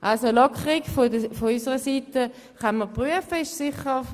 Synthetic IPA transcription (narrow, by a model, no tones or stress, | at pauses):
ʔalsolɔkʰəʁɪɡfofoysəʁəsiːtə | χanməpʁyəfəɪʃsɪχə